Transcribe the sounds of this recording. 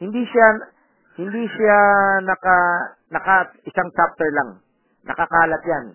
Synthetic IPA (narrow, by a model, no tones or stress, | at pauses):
hɪnd̪iʃa | hɪnd̪isanɐka | nɐkaɪsaŋt͡ʃap̚t̪ɛɹlaŋ | nʔɐ̰kɐkaːlɐt̪̚jan